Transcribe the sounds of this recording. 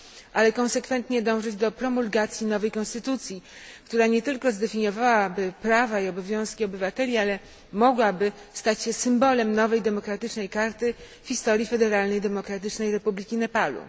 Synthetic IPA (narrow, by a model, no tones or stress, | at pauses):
ʔalɛkɔ̃w̃sɛkfɛnt̪ɲɛd̪ɔ̃w̃ʐɘd͡ʑd̪ɔpɾɔmulɡat̪sʲjinɔvɛjkɔ̃st̪ɘt̪ut̪sʲjikt̪uɾaɲɛt̪ɘlkɔzd̪ɛfʲiɲɔvawabɘpɾavaiɔbɔvʲjɔ̃w̃skʲiɔbɘvat̪ɛlʲialɛ | mɔɡwabɘst̪at͡ɕɕɛsɘmbɔlɛmnɔvɛjd̪ɛmɔkɾat̪ɘt͡ʂnɛjkaɾt̪ɘ | fçʲist̪ɔɾʲjifɛd̪ɛɾalnɛjd̪ɛmɔkɾat̪̬ɘt͡ʂnɛjɾɛpublʲikʲinɛpalṵ